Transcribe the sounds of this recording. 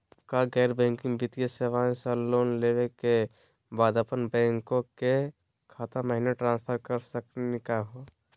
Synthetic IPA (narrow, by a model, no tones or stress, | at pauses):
kaɡɛːɾbɛ̃ːŋkɪ̃ŋɡbit̪ijaseʋaːẽsəloːnleweke | baːd̪əpənbɛ̃ːŋkõke | kʰaːt̪aməɦineʈɾãːnspʰəɾkəɾsəknekaɦo